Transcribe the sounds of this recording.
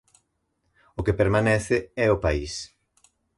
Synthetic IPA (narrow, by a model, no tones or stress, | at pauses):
ʊkepeɾmanɛθɪɛʊpais